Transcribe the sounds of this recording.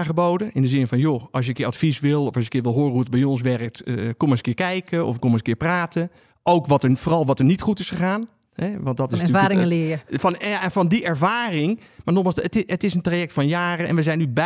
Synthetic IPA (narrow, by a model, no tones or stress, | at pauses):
χəbowdənɪndəzɪnfɔnjoɑs̬jəkɪəatfisʋɪlˠɔflsjəkɪːɹʋɪlˠɦoːruətbɛjɔns̬ʋɛrək̚tkɔməskɪːkɛjkʰəɔ̰fkɔmənskɪːɹpraːtʰə | ʔowkʋɔtəfoːrɑlˠʋɔtəɹnitχutɪsχəχaːn | hɛʋɑntdɔtɪsaːɾɪŋəlɪjəfɔnaɛfɔndiʔɛɹvaːrɪŋ | maɹnɔxmalˠsətɪətɪsəntrajɛk̚tfɔnjaːrəɛ̰nʋəzɛjnyb